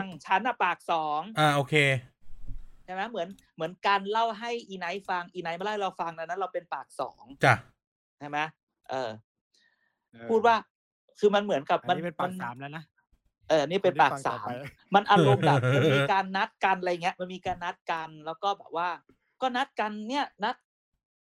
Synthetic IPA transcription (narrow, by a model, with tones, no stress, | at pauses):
ŋt͡ɕʰa˦˥nːa˧˩paː˨˩k̚sɔː˨˩˦ŋʔaː˧˩ʔoː˧kʰeː˧ | t͡ɕʰa˥˩jma˦˥mɯ˩˦ən | mɯ˩˦ənkaː˧nla˥˩wɦa˥˩jʔiː˧na˧˦˥jfa˧ŋʔiː˧na˧˦˥jma˧˥˨hɾla˧˩wfa˧ŋna˦˥˩na˦˥˩la˧wpe˧npaː˨˩k̚sɔ̰ː˩˦ŋt͡ɕʰa˥˩ | t͡ɕʰa˥˩jma˦˥ | ʔɤː˨˩ | pʰuː˥˩waː˥˩ | kʰɯː˧ma˧nmɯ˩˦ənka˨˩p̚ma˧n˧a˨˧nː˩˦mː˦ | ʔɤː˨˩niː˥˩pe˧npaː˨˩k̚sa̰ː˨˩˦mː | a˧nʔa˧lo˧mba˨˩k̚ma˧nmiː˧kaː˧nːa˦˥t̪̚ka˧nʔjŋi˦˥əʔma˧nmiː˧kaː˧nːa˦˥t̪̚ka˧nlɛː˦˥wkɔː˥˩bɛ̰ː˨˩p̚waː˥˩ | kɔː˥˩na˦˥t̪̚ka˧nːi˥˩ɐna˦˥t̪̚